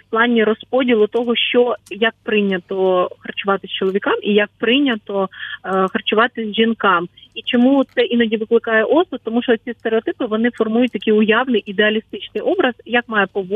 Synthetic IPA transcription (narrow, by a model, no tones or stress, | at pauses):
fplˠɑnʲːiɾɔspɔdʲilˠʊt̪ɔɦɔʃt͡ʃɔjɐk̚pɾɪnʲːɐt̪ɔxɐrt͡ʃʊʋɑt̪ɪsʲt͡ʃɔlˠɔʋʲikɑmʔijɐk̚pɾɪnʲːɐt̪ɔxɐrt͡ʃʊʋɑt̪ɪzʲʒinkɑmit͡ʃɔmut̪sɛʔinɔdʲiʋɪklˠɪkɑjɛʔɔsɔt̪ɔmuʃt͡ʃɔt͡sʲist̪eɾeɔt̪ɪpɪʋɔnɪfɔrmujʊtʲt̪ɐkɪjʊjɑʋnɪjʔid̪eɐlʲist̪ɪt͡ʃnɪjʔɔbɾɐzjakmɑjɛpɔʋ